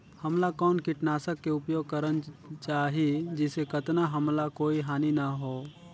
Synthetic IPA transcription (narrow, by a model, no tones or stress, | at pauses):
həmlakɔːnkɪʈnaːsəkːeʊpjoːɡ̚kəɾənt͡ʃaːɦid͡ʒɪsekət̪naɦəmlakoːiɦaːninaɦoː